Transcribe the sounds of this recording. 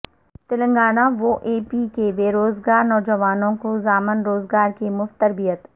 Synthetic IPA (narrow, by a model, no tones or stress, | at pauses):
t̪ɪlə̃ŋɡaːnaʋoʔeːpiːkebeːɾoːzɡaːɾnɔːd͡ʒəʋaːnõkozaːmɪnɾoːzɡaːɾkimʊft̪əɾbijət̪